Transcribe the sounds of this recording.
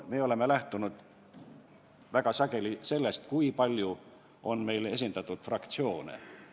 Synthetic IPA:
me̞ːo̞le̞me̞læht̪unud̪̥ | væɡ̥ɑsɑɡ̥e̞lise̞lːe̞st̪̚kuipɑlʲju | o̞nme̞jle̞s̬ʲind̪ɑt̪ːˑud̪̥frɑkt̪sio̞ːnḛ

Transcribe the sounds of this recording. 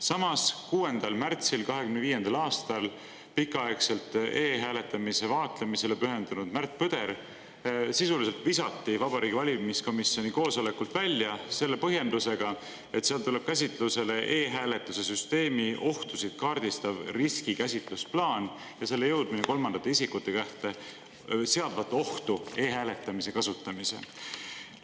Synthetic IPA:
sɑmɑskuːe̞nd̪̥ɑlmært̪silkɑɦe̞kymneviːje̞nd̪̥ɑlɑːst̪ɑl | pikːˑɑekse̞lt̪ˑe̞ːɦæːle̞t̪ːˑɑmise̞vɑːt̪lemise̞lepyɦe̞nd̪̥unud̪̥mært̪̚pɯd̪̥e̞ɾ | sisulis̬e̞lt̪visɑt̪ːivɑbɑɾiːɡʲivɑlʲimisko̞misio̞niko̞ːsole̞kult̪vælʲːjɑse̞lːe̞pɤɦje̞nd̪̥use̞ɡ̥ɑ | e̞t̪seɑlt̪ule̞b̥kæs̬ʲit̪ˑluse̞le̞ʔe̞ːɦæːle̞t̪ːˑuse̞s̬yst̪e̞ːmio̞ht̪usid̪̥kɑrd̪̥ist̪ɑvriskikæsʲit̪lusplɑːn | jɑse̞lːe̞jɤwd̪̥̚mineko̞lmɑnd̪ɑt̪ːˑeisʲikːut̪ːˑe̞kæht̪e̞ | se̞ɑd̪̥vɑt̪ːˑeo̞ht̪ue̞ːɦæːle̞t̪ːˑɑmise̞kɑsut̪ːˑɑmisḛ

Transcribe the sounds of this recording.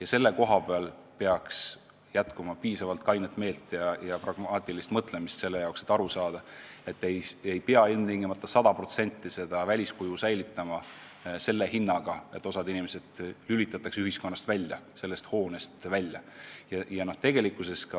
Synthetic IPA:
jɑse̞lːe̞ko̞ɦɑb̥eɑlpe̞ɑks | jæt̪kumɑpiːsɑvɑlt̪̚kɑjnet̪ːˑme̞ːlt̪ːˑjɑjɑprɑɡ̥mɑːt̪ʲːˑilist̪mɤt̪ˑle̞mist̪se̞lːejɑwkset̪ːˑɑɾusɑːd̪̥ɑ | e̞t̪ːˑejejpeɑilmiŋɡ̥emɑt̪ːˑɑsɑd̪̥ɑpro̞t̪se̞nʲt̪ːˑise̞d̪̥ɑvælʲiskujusæjlit̪ˑːɑmɑ | se̞lːe̞hinːɑɡ̥ɑe̞t̪ːˑo̞sɑd̪inimese̞d̪̥lylʲit̪ːˑɑt̪ːˑɑksyɦisko̞nːɑst̪vælʲjɑ̰se̞lːe̞st̪ho̞ːne̞st̪vælʲjɑ̰jɑjɑno̞ht̪e̞ɡ̥e̞likːˑuse̞skɑ

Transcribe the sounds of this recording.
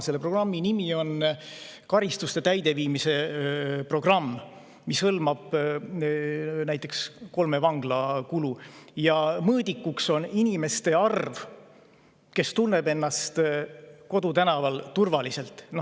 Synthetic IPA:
se̞lːepro̞ɡ̥rɑmːinimio̞n | kɑɾist̪ust̪e̞t̪æjd̪̥e̞viːmise̞pro̞ɡ̥rɑmː | mishɤlmɑb̥ | næjt̪ˑːe̞ksko̞lme̞vɑŋɡ̥lɑkulujɑmɤːd̪ikːukso̞ninime̞st̪e̞ɑrv | ke̞st̪unːe̞be̞nːɑst̪ko̞d̪ut̪ænɑvɑlt̪urvɑlise̞lt̪ːˑno

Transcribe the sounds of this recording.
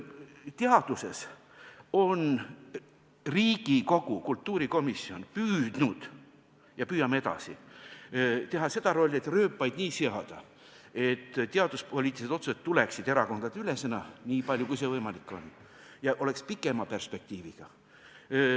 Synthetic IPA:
t̪eɑd̪̥use̞s | o̞n | riːɡ̥iko̞ɡ̥ukult̪ˑːuːɾiko̞misːio̞npyːd̪̥nud̪̥ | jɑpyːjɑmee̞d̪̥ɑ̰sḭ | t̪e̞ɦɑse̞d̪ɑɾo̞lʲːe̞t̪ːˑrøːpːɑjd̪̥niːse̞ɑd̪̥ɑ | e̞t̪ːt̪ːeɑd̪̥uspo̞lʲiːt̪ˑiset̪o̞t̪suset̪ːule̞ksid̪e̞ɾɑko̞nd̪̥ɑd̪ylesenɑniːpɑlʲjukujs̬e̞vɤjmɑlikːˑo̞̰n | jɑʔo̞le̞kspikːˑe̞mɑpe̞rspe̞k̚t̪iːviɡ̥ɑ

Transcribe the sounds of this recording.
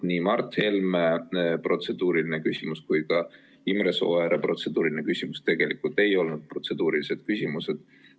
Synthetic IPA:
niːmɑrt̪he̞lmepro̞t̪se̞d̪uːɾilinekysimuskujkɑ | imreso̞̰eɾepro̞t̪se̞d̪̥uːɾilʲinekysʲimust̪e̞ɡ̥e̞likult̪e̞jo̞lnud̪̥̚pro̞t̪se̞d̪̥uːɾilise̞d̪̥kysʲimuse̞d̪̥

